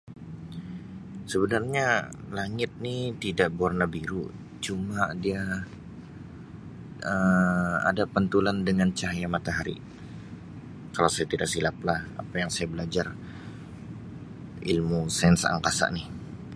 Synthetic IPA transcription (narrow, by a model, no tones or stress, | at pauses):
səbənarɲa | laŋɪt̪̚nit̪idaʔbarnabiɾṵ | t͡ʃumadia | ʔəa̰dapənt̪ulandəŋant͡ʃaɦjamat̪aɦaɾḭ | kalawsajat̪idaʔ̚silaplaha̰pajaŋsajabəlad͡ʒar | ilmusɛnsa̰ŋkasa̰ʔnɪh